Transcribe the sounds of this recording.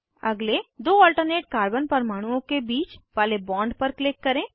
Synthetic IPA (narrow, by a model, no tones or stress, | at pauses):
ɐɡled̪oːɔːlʈəɾneːʈ̚kaːɾbənpɐɾmaːɽ̃uõkebiːt͡ʃʋaːlebɔ̃ːɳɖpɐɾklɪkːɐɾẽː